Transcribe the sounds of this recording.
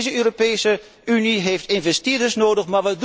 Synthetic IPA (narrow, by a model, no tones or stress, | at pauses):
zəøːropeːsə | yniɦejftɪnvɛstɪːdəsnoːdəχmaɹʋəd